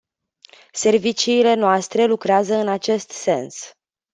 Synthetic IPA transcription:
se̞rvit͡ʃiːle̞noast̪ɾe̞lukɾeazəɨnat͡ʃe̞st̪se̞ns

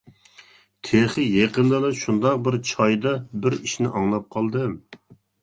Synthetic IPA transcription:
t̪ʰeχɨjeqənlˠɨlɨʃund̪ɑq̚bɪɾt͡ʃʰɑjd̪ɑbɪɾiʃnɪʔɑŋlˠɑp̚qʰɑlˠd̪ɨ

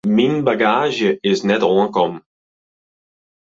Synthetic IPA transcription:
minbaɡaːʒjəɪznɛtɔːkɔm

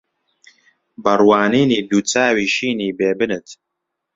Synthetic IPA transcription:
bɐrwaːniːniːd̪uːt͡saːwiːʃiːniːbeːbɨnɨt̪

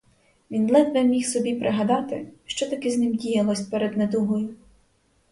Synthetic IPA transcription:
ʋʲind̪lˠɛt̪ʋ̪ʲɛmʲixsɔbʲipɾʔɪɦɐd̪ɑt̪ɪ̰ʃt͡ʃɔt̪ɐkɪznɪmdʲijɐlˠɔsʲt̚ʲpɛɾed̪ned̪uɦɔjʊ

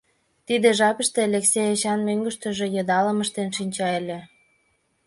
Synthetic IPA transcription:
t̪id̪ĕʒɑpə̆ʃt̪elʲeksejeɕɑnmøŋɡə̆ʃt̪ə̆ʒĕjɤd̪ɑləməʃt̪enʃinʲt͡ɕɑelʲĕ

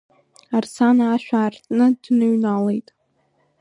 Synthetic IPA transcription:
arsʰanaaːʃᶣaːrtʰʼnɨdnɨɥnalejtʼ

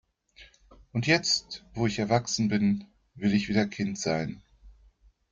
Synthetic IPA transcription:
ʔʊntjɛt͡stv̥oːɪçɛɐvaksn̩bɪn | vɪlɪçv̥iːdɐkʰɪntz̥aɪn

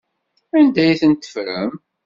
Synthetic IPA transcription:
ænd̪æjθənt̪ːə̥fɾə̰m

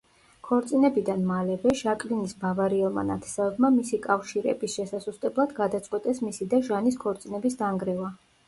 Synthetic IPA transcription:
kʰɔɾt̪sʼinɛbid̪anmalɛvɛʃakʼlinisbavaɾiɛlˠma̰na̰t̪ʰɛ̥savɛbmamisikʼafʃiɾɛ̰bisʃɛsasust̪ʼɛblˠad̪ɡad̪at̪sʼqʼwɛt̪ʼɛsmisid̪aʒaniskʰɔɾt̪sʼinɛbisd̪aŋɡɾɛva

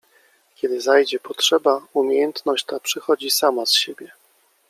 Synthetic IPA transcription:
kʲɛd̪ɘzajd͡ʑɛpɔtʂɛbaumʲejɛnt̪nɔɕt͡ɕt̪apʂɘxɔd͡ʑisamasɕebʲjɛ

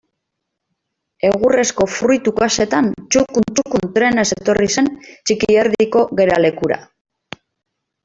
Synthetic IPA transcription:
e̞ɣ̞ure̞sko̞fɾujt̪ukase̞t̪ant͡ʃukunt͡ʃukunt̪ɾe̞ne̞set̪o̞rise̞nt͡ʃikieɾðiko̞ɣe̞ɾale̞kuɾa̰

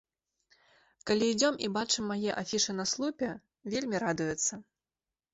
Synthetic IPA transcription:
kalʲiːd͡zʲɔmibat͡ʂɨmːajɛʔafʲiʂɨnɐslˠupʲɛ | vʲelʲmʲiɾad̪ujɛt̪sːɐ

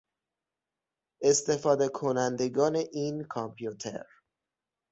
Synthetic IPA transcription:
ʔe̞st̪e̞fɒːd̪e̞kʰonænd̪e̞ɡɒːne̞ʔiːnkʰɒmpʰjut̪ʰḛɾ

